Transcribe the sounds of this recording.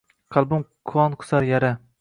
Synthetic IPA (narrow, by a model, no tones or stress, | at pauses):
qʰɑlˠbʊmkʰʊɒnqʰʊ̥saɾjaɾa